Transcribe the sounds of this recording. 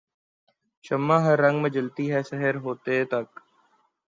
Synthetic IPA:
ʃəmːãːɦəɾːɐ̃ŋɡmẽd͡ʒəlt̪iɦɛːsəɦəɾɦoːt̪et̪ɐk

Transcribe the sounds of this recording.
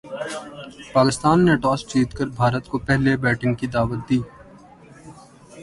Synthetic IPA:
paːkɪst̪aːnːeʈɔːst͡ʃiːt̪kəɾbʱaːɾət̪kopɛɦlebɛːʈɪŋkid̪aːʋət̪̚d̪iː

